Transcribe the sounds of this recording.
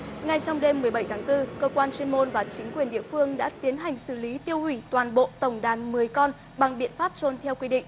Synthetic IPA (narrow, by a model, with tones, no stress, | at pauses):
ŋa˨˩jt͡ɕɔ˧wŋ͡mɗe˧mːɨ˨˩əjɓə˧˩jt̪ʰaː˨˦ŋt̪ɨ˧kəː˧kwaː˧nt͡ɕwi˧ənmo˧nvaː˨˩t͡ɕï˨˦ŋ̟kwi˨˩ənɗḭ˧˨əfɨ˧əŋɗa̰ː˧˥t̪i˨˦ənɦa˨˩jŋ̟sɨ˧˩li˨˦t̪i˧əwhwi˧˩t̪waː˨˩nɓo̰˧˨t̪ə˧˩wŋ͡mɗaː˨˩nmɨ˨˩əjkɔ˧n | ɓa˨˩ŋɓḭ˧˨ənfaː˦˥p̚t͡ɕo˧nt̪ʰɛ˧wkwi˧ɗḭ̈˧˨ŋ̟